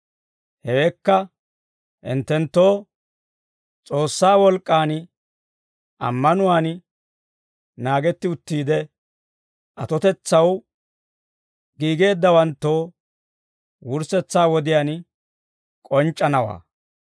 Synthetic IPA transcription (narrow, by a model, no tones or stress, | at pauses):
hɛwɛkːɐ | ʔɪ̰nt̪ːɛnt̪ːo̞ː | t͡sʼo̞ːsːaːwɔlkʼːaːn | ʔɐ̰mːɐnʊwaːn | naːɡɛt̪ːɪʊt̪ːiːd̪ɛ | ʔɐt̪ɔt̪ɛt͡sːɐw | ɡiːɡe̞ːd̪ːɐwɐnt̪ːoː | wʊɾsɛt͡sːaːwɔd̪ɪjaːn | kʼɔnt͡ʃʼːɐnɐwa̰ː